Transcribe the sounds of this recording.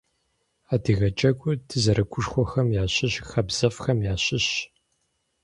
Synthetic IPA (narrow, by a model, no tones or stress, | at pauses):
aːdiːɣɐt͡ʃʼɐkʷʼʊtʰɨzɐɾɐkʷʰʊʂxʷɔxɐmjaːɕʼɪɕxɐbz̥ɐfxɐmjaːɕɪɕ